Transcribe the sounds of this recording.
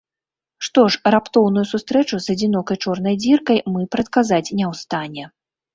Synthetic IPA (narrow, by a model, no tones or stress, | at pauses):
ʂt̪ɔʂrapt̪ɔwn̪ujusust̪ɾɛt͡ʂuzɐd͡zʲinɔkɐjt͡ʂɔrnɐjd͡zʲirkɐjmɨpɾɐt̪̚kazat͡sʲnʲɛwst̪anʲɛ